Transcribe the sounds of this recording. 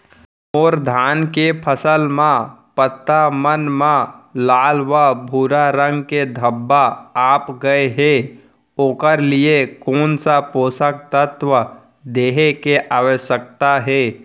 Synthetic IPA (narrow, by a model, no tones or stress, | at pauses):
ɔːɾd̪ʱaːnkepʰəsəlmãpət̪ːamənmãlaːlʋabʱuːɾaɾə̃ŋɡked̪ʱəbːaaːpɡəeɦɛ | oːkəɾliekoːnsapoːsək̚t̪ət̪ʋə | d̪eːɦekeʔaːʋəʃək̚t̪aɦɛː